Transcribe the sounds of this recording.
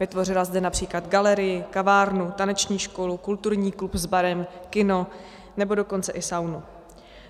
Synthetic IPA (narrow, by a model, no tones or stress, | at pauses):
vɪt̪vo̞r̝ɪlazdɛnapr̝̥iːklad̪ɡalɛɾɪjɪkavaːɾnut̪anɛt͡ʃɲiːʃko̞lukult̪uɾɲiːklupzbaɾɛmkɪno̞ | nɛbo̞do̞ko̞nt͡sɛʔɪsawnu